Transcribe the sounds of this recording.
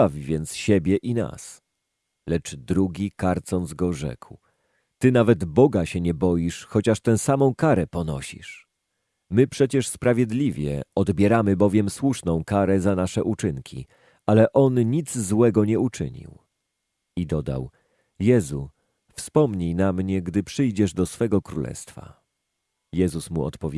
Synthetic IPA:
avʲvʲjɛnt̪sɕɛbʲjɛʔina̰s | lɛt͡ʂd̪ɾuɡʲikaɾt̪sɔnd̪zɡɔʐɛ̰kw | t̪ɘnavɛd̪bɔɡaɕɛɲɛbɔjiʂxɔt͡ɕaʂt̪ɛ̃wsamɔ̃w̃kaɾɛpɔnɔ̰ɕḭʂ | mɘpʂɛt͡ɕɛʂspɾavʲjɛd̪lʲivʲjɛ̰ɔd̪bʲjɛɾamɘbɔvʲjɛmswuʂnɔ̃w̃kaɾɛzanaʂɛʔut͡ʂɘŋkʲḭ | alɛʔɔnɲid̪zzwɛɡɔɲɛut͡ʂɘ̰ɲḭw | id̪ɔd̪a̰w | jɛzu | fspɔmɲijnamɲɛɡd̪ɘpʂɘjd͡ʑɛʐd̪ɔsfɛɡɔkɾṵlɛ̰st̪fa̰ | jɛzusmṵɔ̰t̪pɔvʲ

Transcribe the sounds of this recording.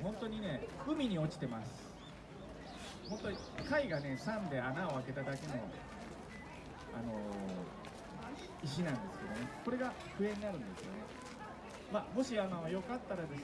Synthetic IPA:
ɦõ̞nt̪o̞ɲ̟ine̞kɯ̟mʲiɲ̟io̞t͡ɕi̥t̪e̞masɨ̥ | mo̞t̪ːo | kaiɡane̞sãnd̪e̞anao̞ake̞t̪ad̪ake̞no̞ | ano̞ | iɕ̬inãnd̪e̞sɨ̥ke̞d̪o̞ne̞ko̞ɾe̞ɡa | ɸɯ̟e̞ɲ̟inaɾɯ̟̃nd̪e̞sɨjo̞̰ne̞ | mamo̞ɕianaβajo̞kat̪ːaɾad̪e̞s

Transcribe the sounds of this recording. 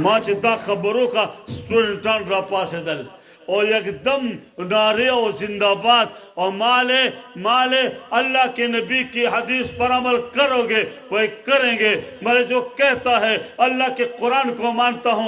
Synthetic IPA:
mãːt͡ʃed̪aːxɐbɾõkasʈuːɖẽɳʈaːnɾaːpaːsed̪ɐl | ɔːɾjɐkd̪ɐmnaːɾeɔːzɪ̃nd̪aːbaːt̪̚ɔːmaːlemaːleɐlːaɦkenɐbikiɦɐd̪iːspɐɾaːməlkɐɾõːɡeʋɐikɐɾẽːɡeːmɐled͡ʒoːkɛɦt̪aɦɛɐlːaːkeqʊɾaːnkomaːnt̪aɦũː

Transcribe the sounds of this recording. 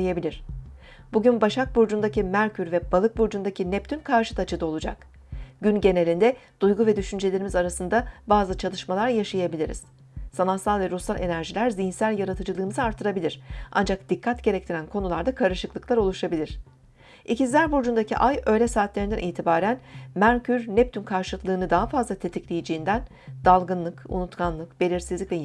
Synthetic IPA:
jabilʲiɾ̥ | b̥uɟynbaʃak̚buɾd͡ʒund̪acʰimæɾcʰyɾvɛb̥alˠɯk̚buɾd͡ʒund̪acʰinɛpt̪ʰynkʰaɾʃɯ̥t̪ʰat͡ʃʰɯd̪ao̞lˠud͡ʒa̰k | ɟ̥ynɟe̞ne̞lʲind̪ɛd̪̥ujɡuvɛd̪yʃynd͡ʒe̞lʲe̞ɾimizaɾasɯnd̪abaːzɯt͡ʃʰalˠɯʃmalˠaɾjaʃajabilʲiɾḭz̥ | sanasˠalˠvɛɾusalʲʔe̞næɾʒilʲæɾzijinsælʲjaɾat̪ʰɯd͡ʒɯlˠɯːmɯzɯaɾt̪ʰːɯɾabilʲiɾ̥ʔa̰nd͡ʒak̚d̪̥ikʰːat̪ɟe̞ɾɛc̚t̪ʰiɾænkʰo̞nulˠaɾd̪akʰaɾɯʃɯklˠɯklˠaɾo̞lˠuʃabilʲiɾ̝̥ | ʔicizlʲæɾbuɾd͡ʒund̪acʰiʔajø̞jlʲɛsaːt̪lʲeɾind̪æniːt̪ʰibaːɾænmæɾcʰyɾnɛp̚t̪ʰynkʰaɾʃɯlˠɯklˠɯːnɯd̪aɦafazlˠat̪ʰe̞t̪ʰiclʲejid͡ʒeind̪æn | d̪̥alˠɡɯnlˠɯkṵnut̪kʰanlˠɯkbe̞lʲiɾsizlʲicvɛ

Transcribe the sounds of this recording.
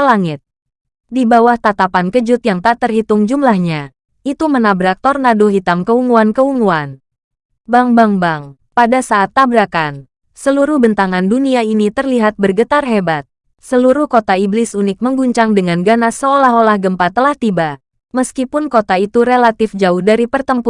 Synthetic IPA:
laŋɪt̪̚ | dibawaht̪at̪apankəd͡ʒʊt̪jaŋt̪aʔt̪ərɦit̪ʊŋd͡ʒumlahɲa | it̪umənabɾak̚t̪ɔrnadoɦit̪amkəuŋuankəuŋuan | baŋbaŋbaŋ | padasaːt̪ːabɾakan | səluɾʊhbənt̪aŋanduniainit̪ərliɦat̪̚bərɡət̪arɦebat̪̚ | səluɾʊhkot̪aiblɪsunɪk̚məŋɡuɲt͡ʃaŋdəŋanɡanasəolaɦolahɡəmpat̪əlaht̪iba | məskipʊnkot̪ait̪uɾelat̪ɪfd͡ʒaʊhdaɾipərt̪əmpu

